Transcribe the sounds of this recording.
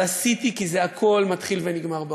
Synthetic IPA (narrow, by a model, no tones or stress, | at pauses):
asit̪ikize̞akʰo̞lmat̪χilveniɡmaʁbe